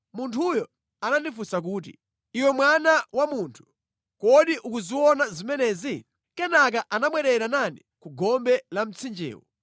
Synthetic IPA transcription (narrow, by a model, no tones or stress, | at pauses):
muntʰujɔ | ananifusak̬uːt̬ḭ | iwɛmwanawamuntʰu̥ | kɔɗiʔukuziwɔnazimɛnɛzi | kɛnak̬aʔanamwɛɾɛɾanani | kuɡɔmbɛlam̩t͡sʰind͡ʒɛ̰ːwɔ̰